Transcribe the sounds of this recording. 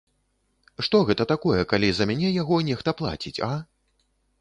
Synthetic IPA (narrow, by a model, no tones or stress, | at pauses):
ʂt̪ɔɣɛt̪ɐt̪akɔjɛkalʲizɐmʲanʲɛjaɣɔnʲɛxt̪ɐplˠa̰t͡sʲit͡sʲɐ